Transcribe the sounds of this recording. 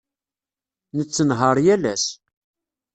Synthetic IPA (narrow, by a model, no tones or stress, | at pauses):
nət͡sːənɦəɾˤjælæs